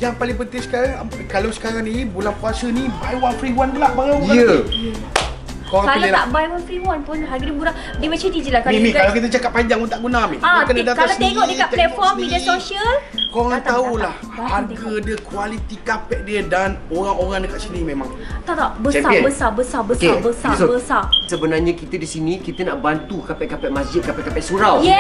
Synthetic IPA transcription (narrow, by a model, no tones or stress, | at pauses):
jaŋpalɪŋpət̪ɪsə̥kaɾaŋ | kalawsə̥kaɾaŋnibulanpuasənibajwanfɾiwand̪əlaʔbajajaə | koãkalaəlaʔbajwanfɾiwanpʊnɦaɡədibuɾa | dəmat͡ʃə̃did͡ʒilakaimikalakit̪ət͡ʃakap̚pːaɲd͡ʒaŋunt̪aʔɡunamiaakandədatkalasieŋɔʔdəkalɛt̪fɔmidiasoʃəlkoɾaŋt̪aulah | aaɡ̪ədiəkualit̪ikapɛʔ̚diədanoɾaŋoɾaŋdəkat̪̚sinimẽmãŋt̪aʔlaʔbəɛabəsabəsabəsabəsasbəsasəbənarɲãkit̪ədisinĩkit̪ənaʔbant̪ukapɛʔ̚kapɛʔ̚masd͡ʒɪt̪̚kapɛʔkapɛʔsuɾawjɛ